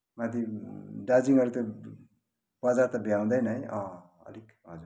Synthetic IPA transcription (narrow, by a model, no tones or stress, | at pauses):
mad̪ʱiɖad͡ziŋʌɾut̪o | b̥ʌd͡zaɾt̪ʌbjaw̃d̪ʌjnʌjʌ̃ | ʌ̰lik | ɦʌd͡zu